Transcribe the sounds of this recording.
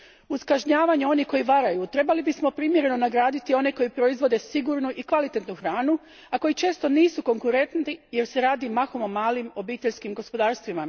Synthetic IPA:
uskaʒɲaːʋaɲeo̞nihko̞jiʋaɾajut̪ɾe̞balibismo̞pɾiːmjeɾe̞no̞naɡɾaːd̪it̪io̞neko̞jipɾo̞izʋo̞d̪e̞siɡuɾnuʔikʋalit̪et̪nuxɾaːnu | ako̞jit͡ʃe̞ːst̪o̞niːsuko̞ŋkuɾe̞nt̪nt̪ije̞ɾse̞ɾaːd̪imaxo̞mo̞maːlimo̞biːt̪e̞ʎskimɡo̞spo̞d̪aːɾst̪ʋima

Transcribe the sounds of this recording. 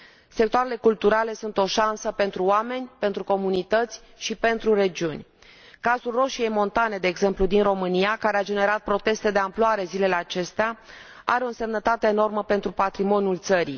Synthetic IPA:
sek̚t̪oaɾe̞le̞kult̪uɾale̞sunt̪o̞ʃansəpe̞nt̪ɾuoame̞nʲpe̞nt̪ɾuko̞munit̪ət̪sʲ | ʃipe̞nt̪ɾure̞d͡ʒiunʲ | kazulro̞ʃije̞jmo̞nt̪ane̞d̪eːɡze̞mplud̪inro̞mɨnijakaɾead͡ʒe̞ne̞ɾat̪̚pɾo̞t̪e̞st̪e̞d̪e̞amploaɾe̞zile̞le̞at͡ʃe̞st̪ea | a̰ɾeo̞nse̞mnət̪at̪e̞ːno̞rməpe̞nt̪ɾupat̪ɾimo̞njult̪səɾḭ

